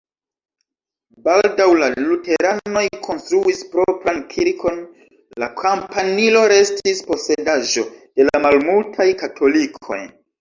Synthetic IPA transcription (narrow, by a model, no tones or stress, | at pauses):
baldawlalute̞ɾano̞jkʰo̞nstɾuispɾopɾankʰiɾkʰo̞n | lakʰampanilo̞ɾe̞stispo̞se̞daʒo̞d̥e̞lamalmultʰajkatʰo̞likʰo̞̰j